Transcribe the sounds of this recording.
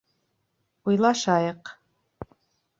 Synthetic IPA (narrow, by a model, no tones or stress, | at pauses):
wijlaʂaːjqʼ